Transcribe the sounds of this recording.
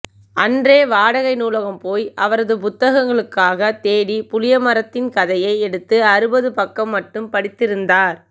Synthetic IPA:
ɐndreːʋaːɽɐɣɐɪnuːlɐɣɐmpoːjʔɐʋɐɾɐðɯpʊt̪ːɐɣɐŋɡɐɭɯkːaːɣɐt̪eːɽipʊlɪjɐmɐɾɐt̪ːɪnkɐðɐjɐɪɛɽɯt̪ːɯɐɾɯbɐðɯpɐkːɐmːɐʈːɯmpɐɽɪt̪ːɪɾɯnd̪aːɾ

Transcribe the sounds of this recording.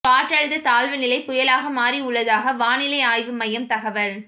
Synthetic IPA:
kaːʈːɐɻɯðɐt̪aːlʋɯnɪlɐɪpʊjɐlaːɣɐmaːɾiʊɭːɐðaːɣɐʋaːnɪlɐɪaːjʋɯmɐjɐmt̪ɐɣɐʋɐl

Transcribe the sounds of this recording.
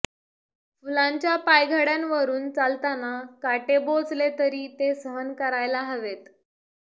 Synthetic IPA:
fulãɲt͡ɕjapajɡʱaɽjanʋəɾuːnt͡salt̪anakaʈebod͡zlet̪əɾiːt̪esəɦənkəɾajlaɦəʋet̪

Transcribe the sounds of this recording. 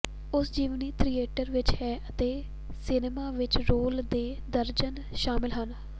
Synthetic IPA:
ʊsd͡ʒiːʋniːt̪ɾieːʈəɾʋɪt͡ʃɦɛːʔət̪eː | sɪnemaːʋɪt͡ʃɾoːld̪eːd̪əɾd͡ʒən | ʃaːmɪlɦən

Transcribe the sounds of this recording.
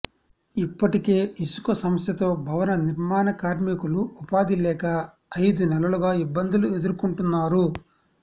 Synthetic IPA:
ipːɐʈike̞ːisu̥kɐsɐmɐsjɐt̪o̞ːbʱɐʋɐnɐniɾmaːnɐkaːɾmikuluːpaːd̪ilɛːkɐː | jd̪unɛlɐluɡaːibːɐnd̪ulue̞d̪uɾukuɳʈunːaːɾu

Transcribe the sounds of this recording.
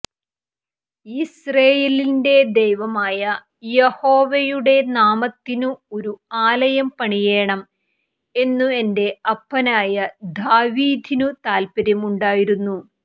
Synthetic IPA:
isreːjelinde̞d̪ejʋɐmaːjɐ | jeho̞ːʋɐjuɽe̞naːmɐt̪ːinuo̞ɾuaːlɐjɐmpɐɳije̞ːɳɐm | e̞nːue̞nde̞ɐpːɐnaːjɐd̪aːʋiːd̪ʱinut̪aːlpɐɾjɐmuɳɖaːjiɾunːu

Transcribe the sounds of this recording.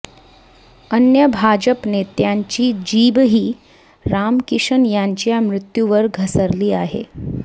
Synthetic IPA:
ənjəbʱad͡ʑəpnet̪jaɲt͡ɕiːd͡ʑiːbɦiː | ɾamkiʂənjaɲt͡ɕjamɾut̪juʋəɾɡʱəsəɾliːaɦḛ

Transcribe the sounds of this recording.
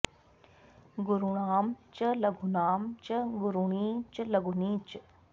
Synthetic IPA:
ɡʊɾuɳaːmt͡ʃəlɐɡʱunaːmt͡ʃəɡʊɾuɳiːt͡ʃlɐɡʱuniːt͡ʃ

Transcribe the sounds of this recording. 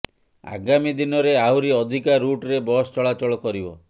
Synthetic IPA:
a̰ɡamid̪inɔɾeawɾiɔd̪ʱikaɾuʈɾebɔst͡ʃɔɭat͡ʃɔɭɔkɔɾibɔ

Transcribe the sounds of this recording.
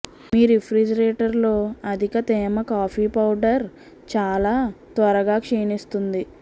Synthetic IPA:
miːɾipʰɾid͡ʒɐɾeːʈɐɾlo̞ːɐd̪ʱikɐt̪ɛːmɐkaːpʰiːpɐwɖɐɾ | t͡ʃaːlaːt̪ʋɐɾɐɡaːkʂeːnist̪und̪i

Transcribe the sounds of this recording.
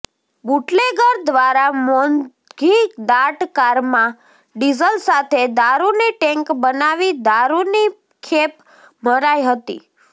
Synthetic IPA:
buʈleɡəɾd̪ʋaɾamɔn | ɡʱikd̪aʈkaɾmã | ɖizəlsat̪ʰed̪aɾuniʈɛŋkbənaʋid̪aɾuni | kʰep | məɾajɦət̪ḭ

